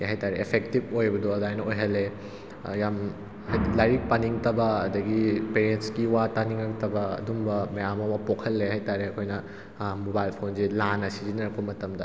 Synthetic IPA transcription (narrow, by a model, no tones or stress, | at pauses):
ɦajtaɾeepʰek̚tib̚ojbɐdoɐdajnɐojɦɐlːe | jam | hajlajɾik̚paniŋtɐbɐːdɐɡipeɾentskiwataniŋɐktɐbɐɐ̰dumbɐmɐjamɐwɐpokʰɐlːeɦajtaɾeɐkʰojnɐ | mobajlpʰonzilanɐsizinɐɾɐk̚pɐmɐtɐmdɐ